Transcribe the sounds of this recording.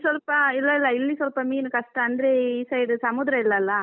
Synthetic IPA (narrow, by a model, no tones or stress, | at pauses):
sɔlpɐɪlːɐɪlːɐɪlːisɔlpɐmiːnɯkɐsʈaɐnd̪ɾeiːsɐɪɖɯsɐmuːd̪ɾɐɪlːɐɪlːa